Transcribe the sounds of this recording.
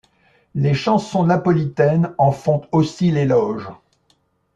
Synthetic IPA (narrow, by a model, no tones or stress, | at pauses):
leʃɑ̃sɔ̃napɔlit̪ɛnɑ̃fɔ̃t̪osilelɔʒ